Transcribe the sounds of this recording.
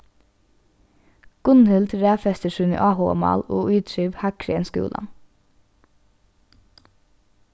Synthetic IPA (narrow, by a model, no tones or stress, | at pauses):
ɡ̥ʊnhʏlt̪ɾæːfɛst̪əʃʉːnḭːʔɑːhoːɑ̰mɑ̰ːloːʔyːt̪ʰɾiːʋhækʰɹɛənskʉ̰ːlʔɑ̰n